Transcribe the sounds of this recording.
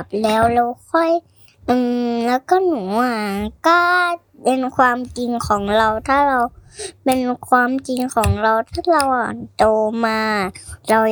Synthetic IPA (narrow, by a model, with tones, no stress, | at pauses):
p̚lɛː˦˥wla˧wkʰɔ˧˥˩j | ʔɯː˧˩lɛː˦˥˩wkɔ˥˩nuː˨˩˦a˨˩kɔ˥˩ | pe˧nkʰwaː˧mt͡ɕi˧ŋkʰɔː˩˦ŋɾa˧wt̪ʰaː˥˩ɾa˧wpe˧nkʰwaː˧mt͡ɕi˧ŋkʰɔː˩˦ŋɾa˧wt̪ʰaː˥˩ɾa˧wʔa˨˩nt̪oː˧maː˧˨˩ɾa˧w